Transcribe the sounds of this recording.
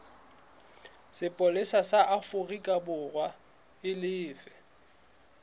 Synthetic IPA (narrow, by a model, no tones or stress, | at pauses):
sɪpʼɔlɪsasaʔafʊrikʼabʊrwa | ɪlɪːfɛ